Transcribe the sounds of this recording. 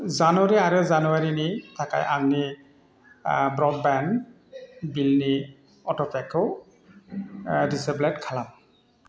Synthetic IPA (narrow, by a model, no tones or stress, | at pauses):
zanuaɹiaɹɯzanuwaɹinitʰaka̰jʔaŋni | bɹɔd̚bɛn | bilni | ɔtɔpɛkʰɔ | disɛplɛtkʰalam